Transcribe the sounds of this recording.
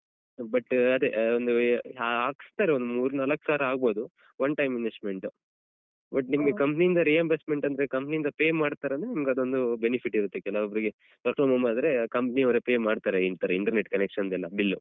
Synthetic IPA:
bɐʈɐd̪eond̪uaaːɡst̪aːɾeond̪umuːɾunɐlɐkːsaːɾɐaːɡ̚bo̞ːd̪u | ʋɐnʈɐjmːinesme̞ɳʈu | bɐʈnimɐɡekɐmpnijind̪ɐɾiːɐmbesme̞ɳʈɐnd̪ɐɾekɐmpniind̪ɐpeːmːaːɽt̪aːɾeɐnd̪ɾenimɐɡɐd̪o̞nd̪ubenipʰiʈːiɾut̪ːekɛlːɐʋɐbɐɾiɡe̞ | pɐɾkloːmɐmaːd̪ɐɾe̞kɐmpniɐʋɾepeːmaːɖt̪aːɾeiɳʈ̪aːɾeiɳʈɐɾneʈkɐnekʂɐnd̪ɛlːɐbilːu

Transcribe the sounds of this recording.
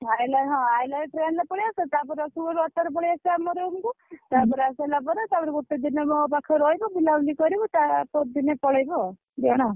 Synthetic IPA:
ajlaɦɔ̃ajlaʈɾenɔpɔɭiasɔt̪apɔɾeɔsuɔɾɔt̪aɾɔpɔɭiasɔamɔɾeumkut̪apɔɾeasɔlabɔɾɔt̪abɔɾɡuʈ̪ːid̪inemɔpakʰɔɾɔjbɔbiladikɔɾibɔt̪apɔd̪inepɔɭajbɔ | d̪iɔɽ̃a

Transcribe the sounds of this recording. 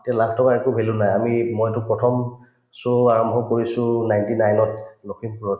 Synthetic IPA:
tɛlakʰtʰɔkaekubʱelunajamimɔjtʊpɹɔtʰɔm | sɔaɹɔmbʱɔkoɹisʊ̃najntinajnɔt̚lokʰimpuɹɔt

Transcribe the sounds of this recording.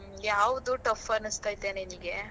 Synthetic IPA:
jaːʋd̪uʈɐfɐnɐst̪aːjt̪eːneniɡe

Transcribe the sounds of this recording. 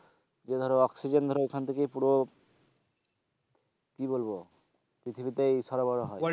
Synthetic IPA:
d͡ʑed̪ʱɔɾɔksid͡ʑend̪ʱɔɾoekʰant̪ʰekejpuɾo | kiβolbo | pɾit̪ʰibit̪ejʃɔɾobɔɾoɦɔe

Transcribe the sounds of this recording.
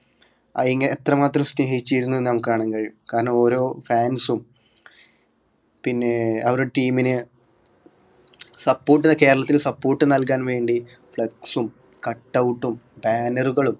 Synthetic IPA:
ɐiŋːɐneːt̪rɐmaːt̪rɐmsneːɦit͡ɕːijiɾunːuenːnɐmukːɨkaːɳɐŋkɐɻjukaːɾɐɳɐmo̞ːɾo̞ːfaːnsum | pinːe̞ɐʋɐɾoʈiːminɨ | sɐpːo̞ːrʈ̬ːinːɐke̞ːɾɐɭɐt̪ːilsɐpːo̞ːrʈːɨnɐlkaːnʋe̞ːɳɖi | fɭɐksum | kɐʈːɐwʈːumbaːnɐruɣɐɭum

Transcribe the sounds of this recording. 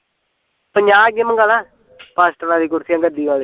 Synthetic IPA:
pəɲd͡ʒaːɡeməŋɡaːlaː | paːsʈənãːd̪iːkʊɾsijãːŋɡəd̪iːɡaːli

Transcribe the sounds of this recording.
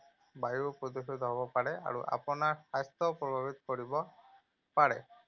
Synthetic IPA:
bajupɾɔd̪usit̪ɔɦɔbɔpaɽɛa̰ɾuʔa̰pɔnaɹsast̪ɔpɾɔbʱabit̪ɔ̥kɔɽibɔ | paɽɛ̰

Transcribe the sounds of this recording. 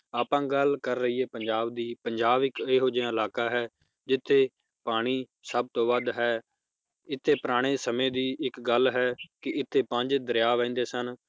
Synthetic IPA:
aːpãːɡəlkəɾːəɦiːɛːpəɲd͡ʒaːbd̪iːpəɲd͡ʒaːbɪkeːɦoːd͡ʒãːəlaːkaːɦɛː | d͡ʒɪt̪ʰːeː | paːɽ̃iː | səb̚t̪õːbəd̪ɦɛː | ɪt̪ʰːeːpɾaːɽ̃eːsəmẽːd̪iːɪkɡəlɦɛːkɪɪt̪ʰːeːpə̃ɲd͡ʒd̪əɾjaːʋɛ̃ːnd̪eːsən

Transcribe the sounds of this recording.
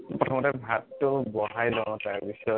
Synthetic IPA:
pɹɔtʰɔmɔtɛbʱatːʊbɔɦajlɔŋɔ̃taɹbisɔjɔ

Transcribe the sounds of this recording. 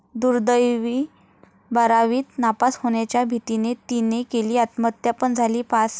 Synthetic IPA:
d̪uɾd̪əjʋiː | bəɾaʋiːt̪napashoɳjat͡ɕjabʱit̪inet̪inekeliːat̪mət̪japəɳd͡zʱaliːpas

